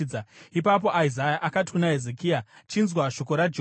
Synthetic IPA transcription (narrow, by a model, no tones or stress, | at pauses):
d͡zaipap̬o̞ʔaizajaʔakati̥kunaɦezekiat͡ʃinzwaʃo̞ko̞ɾad͡ʒ